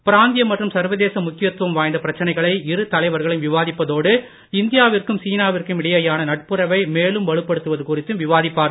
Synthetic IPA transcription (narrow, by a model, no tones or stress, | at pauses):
pɪɾaːnd̪ɪjɐmːɐʈrɯmsɐɾʋɐðeːsɐmʊkːɪjɐt̪ːʋɐmʋaːjnd̪ɐpɪɾɐt͡ʃːɐnɐɪɣɐɭɐɪɪɾɯt̪ɐlɐɪʋɐɾɣɐɭɪmʋɪʋaːðɪpːɐðoːɽɯ | ɪnd̪ɪjaːʋɪrkɯmsiːnaːʋɪrkɯmɪɽɐjɐjaːnɐnɐʈ̚pɯɾɐʋɐɪmeːlɯmʋɐɻɯpːɐɽɯt̪ːɯʋɐðɯkuːrɪt̪ːɯmʋɪʋaːðɪpːaːɾ